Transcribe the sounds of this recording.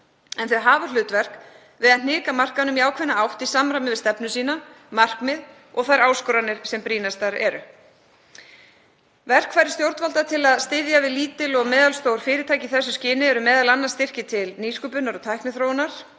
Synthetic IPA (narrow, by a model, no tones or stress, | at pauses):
ɛnθɛɦaːvalʏːt̪vɛr̥k | vɪðan̥ɪːkamar̥kaðnʏmiaːwkʰvɛnːaawht̪isamɾamɪvɪðst̪ɛpnʏsiːna | mar̥kmɪð | ɔɣθajɾaːwskɔɾanɪɾ̥sɛmpɾiːnast̪aɾɛ̰ɾʏ | vɛr̥kʰvaːjɾɪ̥st̪jowɾt̪valt̪at̪ʰɪlaðst̪ɪðjavɪðliːt̪ɪlɔɣmɛːðalst̪owɾ̥fɪːɾɪt̪ʰaːjcɪθɛsːʏscɪːnɪɛɾʏmɛːðalanːḁst̪ɪr̥cɪt̪ʰɪlniːskʏpʏnːaɾɔt̪ʰajhknɪθɾownaɾ̥